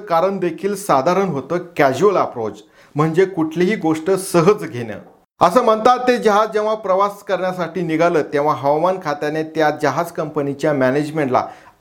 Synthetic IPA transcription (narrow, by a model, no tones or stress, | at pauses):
kaɾəɳd̪ekʰiːlsad̪ʱaɾənɦot̪əːkæd͡ʑuələpɾod͡z | m̤əɳd͡zekuʈʰleɦiːɡoʂʈəsəɦəd͡zɡʱenə̰ː | əsəːm̤ənt̪at̪t̪ːed͡ʑəɦad͡zd͡ʑẽʋ̤apɾəʋaskəɾɳjasaʈiːniɡʱaləːt̪ẽʋ̤aɦəʋamankʰat̪janet̪jad͡ʑəɦad͡zkəmpənit͡ɕjamæned͡ʑmẽɳʈla̰